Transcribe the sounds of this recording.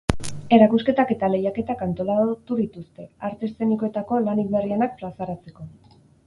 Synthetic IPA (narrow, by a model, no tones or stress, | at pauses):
e̞ɾakuske̞t̪ake̞t̪ale̞jake̞t̪akant̪o̞lat̪uðit̪ust̪e̞aɾt̪e̞st̪e̞nikoe̞t̪ako̞lanik̚βerienak̚fɾasaɾat͡se̞ko̞